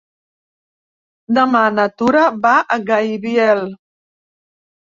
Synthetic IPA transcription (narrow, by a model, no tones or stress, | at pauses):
d̪əmanət̪uɾəβaʔəɣajβiɛl